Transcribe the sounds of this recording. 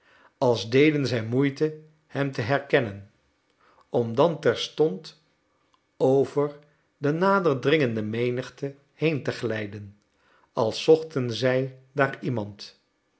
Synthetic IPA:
ɑlˠzdejdənzɛjmujtə | hɛmtəɦɛɹkɛnən | ɔmdɑntɛɹstɔnt | owvəɹ | dənaːdəɹdrɪŋəndəmejnəχtə | hejntəχlɛjdən | ɑlˠsɔχtənzɛjdaːɹimɑnt

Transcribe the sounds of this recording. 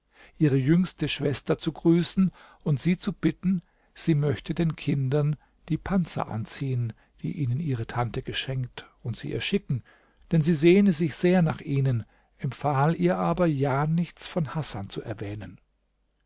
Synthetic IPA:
ʔiːʁəjʏŋstəʃv̥ɛstɐt͡suɡʁyːsn̩ | ʊntz̥iːt͡sub̥ɪtn̩ | z̥iːmœçtədeːnkʰɪndɐn | d̥iːpʰant͡sɐ̰ʔa̰nt͡siːən | d̥ḭːʔiːnənʔiːʁ̞ətʰantəɡəʃɛŋk̚t | ʊntz̥iːʔɛ̰ːɐʃɪkŋ̩ | d̥ɛnziːzeːnəzɪçz̥eːɐnaːχʔiːnən | ʔɛmfaːliːɐʔaːbɐjaːnɪçt͡sfɔnhasa̰nt͡suʔɛ̰ɐvɛːnən

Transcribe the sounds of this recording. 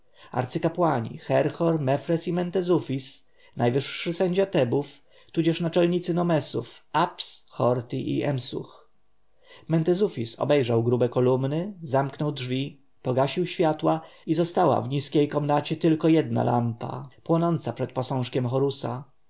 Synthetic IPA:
a̰ɾt̪sɘkapwaɲḭxɛɾxɔɾmɛfɾɛsimɛnt̪ɛzufʲis | najvɘʂːɘsɛɲd͡ʑat̪ɛbuf | t̪ud͡ʑɛʂnat͡ʂɛlɲit̪sɘnɔmɛsṵfapsxɔɾt̪ʲiʔḭʔɛ̰msṵx | mɛnt̪ɛzufʲisɔ̰bɛjʐawɡɾubɛkɔlumnɘzamknɔwdʐvʲi | pɔɡaɕiwɕfʲjat̪waizɔst̪awa̰vɲiskʲejkɔmnat͡ɕɛt̪ɘlkɔjɛd̪na̰la̰mpa̰pwɔnɔnt̪sapʂɛt̪̚pɔsɔ̃w̃ʂkʲɛmxɔɾusa̰

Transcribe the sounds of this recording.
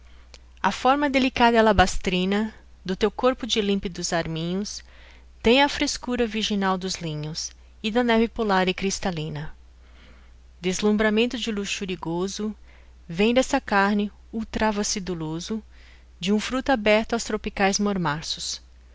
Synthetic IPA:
ɐfɔɾmɐd̪elikad̪ɐlabast̪ɾĩnɐ | d̪ʊt̪ewkoɾpʊd͡ʒɪlĩmpɪd̪ʊzaɾmĩɲʊs | t̪ẽj̃ɐfɾeskuɾɐviɾʒinawd̪ʊzlĩɲʊs | ɪd̪ɐnɛvɪpulaɾɪkɾist̪alĩnɐ | d̪ezlũmbɾamẽnt̪ʊd͡ʒɪluʃuɾiɡozʊ | vẽj̃d̪ɛsɐkaɾnɪ | uwt̪ɾavɐsɪd̪ulozʊ | d͡ʒɪũfɾut̪ʊabɛɾt̪ʊawst̪ɾopikajzmoɾmaɾsʊs

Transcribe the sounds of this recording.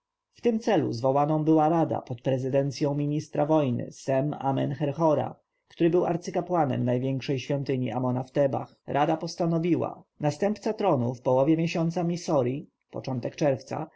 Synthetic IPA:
ft̪ɘmt̪sɛlṵzvɔwanɔ̃w̃bɘwaɾad̪a̰pɔt̪pɾɛzɘd̪ɛnt̪sʲjɔ̃w̃mʲiɲist̪ɾavɔjnɘ̰sɛma̰mɛ̰nxɛɾxɔɾa̰ | kt̪uɾɘbɘwa̰ɾt̪sɘkapwanɛ̰mnajvʲjɛŋkʂɛjɕfʲjɔnt̪ɘɲḭʔamɔnaft̪ɛba̰xɾʔad̪apɔst̪anɔvʲiwa̰nast̪ɛmpt̪sat̪ɾɔnufpɔwɔvʲjɛmʲjɛɕɔnt̪samʲisɔɾi | pɔ̰t͡ʂɔnt̪ɛkt͡ʂɛɾft̪sa̰

